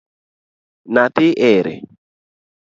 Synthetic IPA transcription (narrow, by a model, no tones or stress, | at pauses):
natɪʔɛɾɛ̰